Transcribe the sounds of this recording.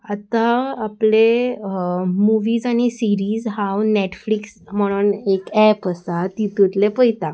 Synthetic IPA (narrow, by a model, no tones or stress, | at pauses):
at̪aːple | muʋiːzaɽ̃isiɾiːzɦãwneʈfliksm̤əɽ̃uːnekɛpəst̪at̪it̪ut̪lepəjt̪a